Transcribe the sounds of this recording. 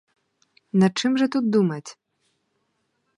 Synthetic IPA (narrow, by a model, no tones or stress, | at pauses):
nat͡ʂɨmʐɐt̪ut̪̚d̪umɐt͡sʲ